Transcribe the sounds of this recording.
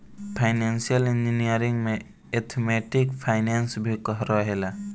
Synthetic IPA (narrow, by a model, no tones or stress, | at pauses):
pʰaɪnensijəlind͡ʒinijəɾiŋɡme | et̪ʰmeʈikpʰaɪnensbʱikəɦɾɔɦela